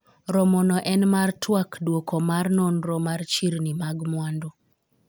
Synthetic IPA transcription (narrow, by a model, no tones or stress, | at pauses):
ɾɔmɔnɔʔɛnmartwakdwokɔmarnɔnɾɔmart͡ʃiɾnimaɡmwando